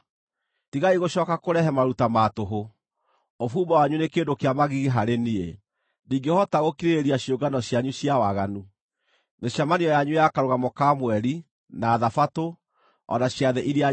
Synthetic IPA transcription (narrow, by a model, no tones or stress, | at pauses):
tiɣaiɣoɕɔkakoɾɛɦɛmaɾutamatoɦo | ofuːmawaɲunekeːndokeamaɣiɣeɦaɾenie | niːŋɡehɔtaɣokiɾeeɾiaɕjoɡanɔɕjaɲuɕjawaɣanu | neɕjamaniɔjaɲujakaɾoɣamɔkamwɛɾi | naːðafato | ɔ̰naɕjaðɛʔiɾea